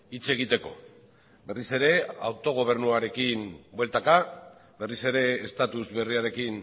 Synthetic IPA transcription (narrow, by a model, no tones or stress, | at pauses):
it͡ʃe̞ɣ̞it̪e̞ko̞̰ | be̞rise̞ɾe̞awt̪o̞ɣ̞o̞β̞e̞ɾnuaɾe̞kinbwelt̪akabe̞rise̞ɾe̞ːst̪at̪uzβe̞riaɾe̞kin